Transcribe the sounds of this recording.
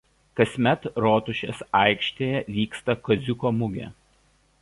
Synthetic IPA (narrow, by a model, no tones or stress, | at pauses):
kɐsʲmʲɛt̪ɾoːt̪ʊʃʲḛsɐˑɪkʃʲt̪ʲeːjɛʋʲiːkst̪ɐkɔzʲʊkoːmʊɡʲɛ̰ː